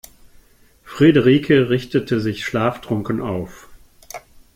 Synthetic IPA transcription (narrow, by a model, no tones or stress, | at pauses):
fʁ̥edəʁiːkʰəʁɪçtətʰəzɪçʃlaːfdʁ̥ʊŋkənʔa̰ʊf